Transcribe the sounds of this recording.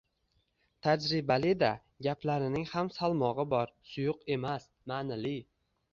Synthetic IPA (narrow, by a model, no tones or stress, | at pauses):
t̪ʰad͡ʒɾɪbalɪd̪a | ɡʲapʰlaɾɪnɪŋhamsalˠmɒʁɨbɒɾsʊjʊqe̞mas | maːnalɪ